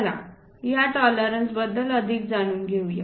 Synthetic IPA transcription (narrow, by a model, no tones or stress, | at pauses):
la̰ | jaʈɔləɾənsbəd̪ːələd̪ʱiːk̚d͡zaɽ̃uːnɡʱeuje